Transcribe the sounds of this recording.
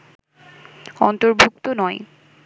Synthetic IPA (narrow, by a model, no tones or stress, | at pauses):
ɔnt̪oɾbʱuk̚t̪onɔe